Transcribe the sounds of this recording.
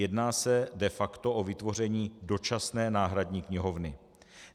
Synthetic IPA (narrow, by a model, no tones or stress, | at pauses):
ɛdnaːsɛdɛfakt̪o̞ʔovɪt̪vo̞r̝ɛɲiːdo̞t͡ʃasnɛːnaːɦɾadɲiːkɲɪɦo̞vnɪ